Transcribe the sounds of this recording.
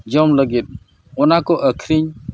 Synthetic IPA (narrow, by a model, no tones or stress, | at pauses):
d͡ʒɔmləɡit̪̚ | ɔnakɔʔəkʰɾiɲ